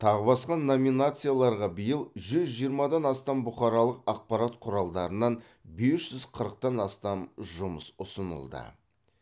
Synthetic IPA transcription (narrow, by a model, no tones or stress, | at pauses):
t̪ʰɑʁəbɑsqɑnːo̞minat̪sɨjalˠɑɾʁɑbəjəlˠʒʏzʒijəɾmɑd̪ɑnɑst̪ɑmbʊχɑɾɑlˠəqɑq̚pɑɾɑt̪qʰʊɾɑlˠd̪ɑɾənɑn | be̞sʒ̥ʏzqʰəɾəq̚t̪ɑnɑst̪ɑmʒʊməsʊsənə̰lˠd̪ə̰